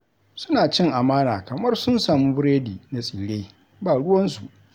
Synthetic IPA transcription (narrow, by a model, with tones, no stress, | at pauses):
sʊ˦naː˨t͡ʃɪ˦ŋʔa˨maː˦na̰ː˨kɐ˨mɐ˦rsʊ˦nsaː˨mu˦bɾeː˦diː˨na˨sʼiː˨ɽeː˦ | baː˨ɽʊ˦wɐ˦nsu˨ʔ